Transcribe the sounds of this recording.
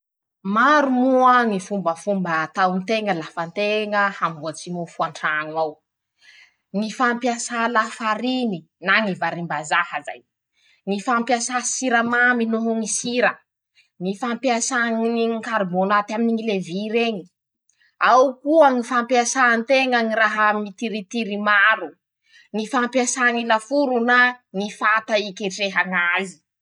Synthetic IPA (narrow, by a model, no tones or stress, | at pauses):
maɾumuoaŋifumbəfumbət̪awnt̪eŋəlafant̪eŋəhambuat͡simofuaɳʈ͡ʂanaw | ŋifampjasalafaɾini | naŋivaɾimbazahəza̰j | ŋifampiasasiɾəmaminoɦuŋisiɾə | nifampiasaŋinikaɾmonat̪aminiŋileviɾeɲi | awkuaŋifampjasant̪eŋaŋiɾaɦamit̪iɾit̪iɾimaɾu | nifampiasaŋilafuɾunaŋifat̪aikʲeʈ͡ʂeɦaŋazi̥